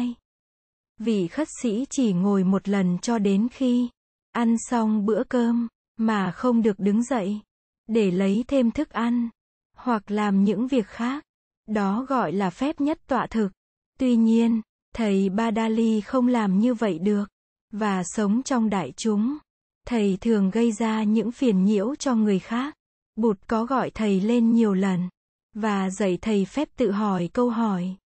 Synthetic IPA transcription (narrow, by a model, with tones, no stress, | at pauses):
j | vḭ˧˨xə˦˥t̚sḭ˧˥t͡ɕi˧˩ŋo˨˩jmo˨˩t̚lə˨˩nt͡ɕɔ˧ɗe˨˦nxi˧ | ʔa˧nsa˧wŋ͡mɓɨ̰˧˥əkəː˧mː | aː˨˩xə˧wŋ͡mɗɨ˨˩ək̚ɗɨ˨˦ŋzə̰˧˨j | ɗe˧˩lə˨˦jt̪ʰe˧mt̪ʰɨ˦˥k̚ʔa˧jn | hwa˨˩k̚laː˨˩mɲɨ̰˧˥ŋvi˨˩ək̚xaː˦˥k̚ | ɗɔ˨˦ɣɔ̰˧˨jlaː˨˩fɛ˦˥p̚ɲə˦˥t̚t̪wa̰ː˧˨t̪ʰɨ˨˩k̚ | t̪wi˧ɲi˧ən | t̪ʰə˨˩jɓaː˧ɗaː˧li˧xə˧wŋ͡mlaː˨˩mɲɨ˧və̰˧˨jɗɨ˨˩ək̚ | vaː˨˩sə˨˦wŋ͡mt͡ɕɔ˧wŋ͡mɗa̰ː˧˨jt͡ɕʊ˨˦ŋ͡m | t̪ʰə˨˩jt̪ʰɨ˨˩əŋɣə˧jzaː˧ɲɨ̰˧˥ŋfi˨˩ənɲḭ˧˥əwt͡ɕɔ˧ŋɨ˨˩əjxaː˦˥k̚ | ɓu˨˩t̚kɔ˨˦ɣɔ̰˧˨jt̪ʰə˨˩jle˧nɲi˨˩əwlə˨˩n | vaː˨˩zə̰˧˨jt̪ʰə˨˩jfɛ˦˥p̚t̪ɨ̰˧˨ɦɔ˧˩jkə˧wɦɔ˧˩j